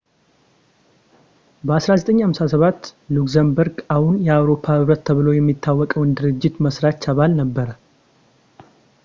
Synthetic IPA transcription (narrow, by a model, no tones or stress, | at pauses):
bəasɾazət̪ʼəɲːhamsasəβat̪ːlukzəmbəɾɡahunjɛawɾo̞pʰahɨβɾət̪ʰːəβɨlo̞jɛmːit̪ʰːawːɔkʼəwɨnd̪ɨɾɨd͡ʒːɪt̪məsɾat͡ʃːaβalnəbːəɾə